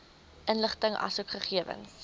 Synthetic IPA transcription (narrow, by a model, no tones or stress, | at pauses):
ʔənləχtəŋʔɐ̰sukχəχiəvə̰ns